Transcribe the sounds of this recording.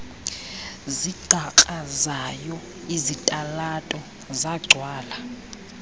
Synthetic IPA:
ziɡ̥ʱakʼazajɔ | izitʼalatʼɔ | zaɡ͡ǀʱwaːla

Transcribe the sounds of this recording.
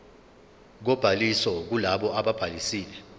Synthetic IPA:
k̬ɔb̥ʱalisɔk̬ulaɓɔaɓab̥ʱalisiːlɛ

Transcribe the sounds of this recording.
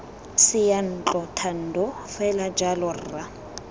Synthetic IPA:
sɪjan̩t͡ɬʼɔtʰan̩dɔfɛlad͡ʒalɔrːa

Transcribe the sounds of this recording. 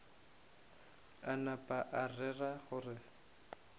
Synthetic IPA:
anapʼaʔarɛraχʊrɪ

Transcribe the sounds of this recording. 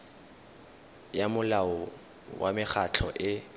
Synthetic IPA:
jamʊlaɔ | wamɪχʰat͡ɬʰɔʔɪ

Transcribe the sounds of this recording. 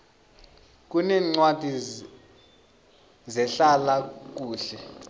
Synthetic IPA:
k̬ʼunɛːŋ͡ǀwad̥ʱi | zɛɬalak̬uːɬɛ

